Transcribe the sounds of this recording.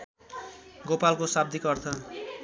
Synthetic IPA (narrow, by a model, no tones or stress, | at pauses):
ɡopalkosab̚d̪ʱikʌrt̪ʰʌ